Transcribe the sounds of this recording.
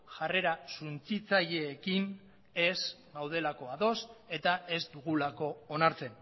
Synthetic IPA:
ʝare̞ɾasunt͡sit͡saʎe̞ːkin | e̞sɡawð̞e̞lako̞aðo̞se̞t̪aʔe̞zd̪uɣulako̞ːnaɾt͡se̞n

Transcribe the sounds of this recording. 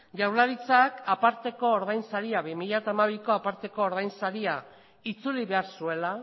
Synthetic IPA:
ʝawlaɾit͡sakapaɾt̪e̞ko̞ːɾðajnsaɾiaβimiʎat̪amaβiko̞apaɾt̪e̞ko̞ːɾð̞ajnsaɾia | it͡suliβe̞aɾsue̞la

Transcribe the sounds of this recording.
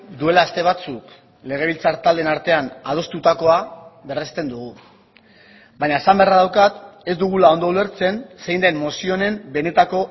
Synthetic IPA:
d̪ue̞laːst̪e̞β̞at͡suk | le̞ɣ̞e̞β̞ilt͡saɾt̪ald̪e̞naɾt̪e̞anað̞o̞st̪ut̪ako̞aβe̞rest̪e̞nd̪uɣ̞u | baɲaesamberaðawkat̪e̞zd̪uɣ̞ulao̞nd̪o̞ule̞ɾt͡se̞nse̞jnd̪e̞nmo̞sio̞ne̞mbe̞ne̞t̪ako̞

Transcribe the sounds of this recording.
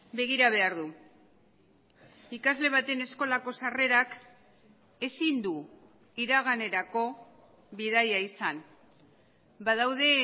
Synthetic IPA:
be̞ɣ̞iɾaβ̞e̞aɾðu | ikazle̞βat̪e̞ne̞sko̞lako̞sare̞ɾak | e̞sind̪u | iɾaɣ̞ane̞ɾako̞ | βið̞ajaisan | baðawð̞e̞

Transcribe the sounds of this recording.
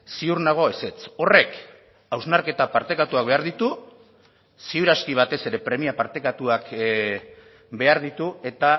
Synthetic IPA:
siuɾnaɣ̞o̞ese̞t͡so̞re̞k | awznaɾke̞t̪apaɾt̪ekat̪uak̚βe̞aɾðit̪u | siuɾaskiβ̞at̪e̞se̞ɾe̞pɾe̞miapaɾt̪e̞kat̪uak | be̞aɾð̞it̪ue̞t̪a

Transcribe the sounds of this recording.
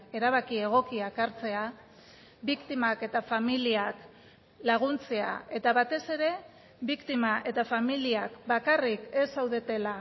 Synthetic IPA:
e̞ɾaβ̞akie̞ɣ̞o̞kiakaɾt͡se̞a | βikt̪imake̞t̪afamiliak | laɣ̞unt͡sea̰e̞t̪aβat̪e̞se̞ɾe̞ | βikt̪imaʔe̞t̪afamiliakbakarike̞sawðe̞t̪e̞la

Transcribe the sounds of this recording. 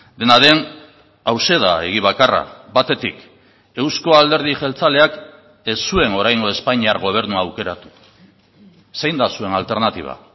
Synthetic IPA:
d̪e̞naðe̞n | awse̞ð̞ae̞̰ɣ̞iβakara̰βat̪e̞t̪ik | e̞wsko̞ald̪e̞ɾð̞iʝe̞lt͡sale̞ak | e̞sːue̞no̞ɾajŋɡo̞e̞spaɲiaɾɣ̞o̞β̞e̞ɾnuaːwke̞ɾat̪u̥ | sejnd̪asue̞nalt̪e̞ɾnat̪iβ̞a̰

